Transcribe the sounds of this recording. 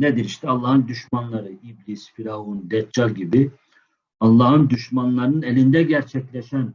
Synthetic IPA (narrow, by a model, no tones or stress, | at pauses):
ned̪iɾiʃt̪ʰɛalˠːaːhɯnd̪yʃmanlˠaɾɯiblʲisfiɾaund̪ɛt̪̚d͡ʒalʲɟibi | ɑlˠːɑːɦɯnd̪yʃmanlˠaɾɯnɯnelʲind̪ɛɟæɾt͡ʃʰɛclʲɛʃæn